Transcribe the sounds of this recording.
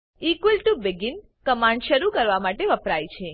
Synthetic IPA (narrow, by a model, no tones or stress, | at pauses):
ikʋəlʈubɪɡɪn | kəmãɳɖʃəɾukəɾʋamaʈeʋəpɾajt͡ʃʰe